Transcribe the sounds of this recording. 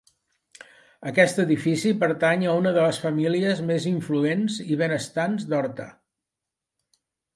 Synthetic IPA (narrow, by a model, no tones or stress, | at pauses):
əkɛst̪əðifisipəɾt̪aɲəunəðələsfəmiliəzmeziɱfluenziβ̞enəst̪anzd̪ɔɾt̪a̰